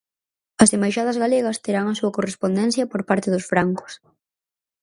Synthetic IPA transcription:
ɐsemajʃað̞ɐzɣaleɣɐst̪eɾaŋɐsuɐkorespond̪ɛnθjɐpoɾpaɾt̪ɪðʊsfɾaŋkʊ̥s

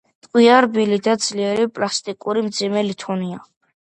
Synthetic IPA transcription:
t̪ʼkʼwiaɾbilid̪ad̪zliɛɾipʼlast̪ʼikʼuɾimd̪zimɛlit̪ʰɔnia

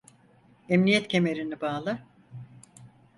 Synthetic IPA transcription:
emnijɛt̪cʰe̞me̞ɾinibaːlˠɯ

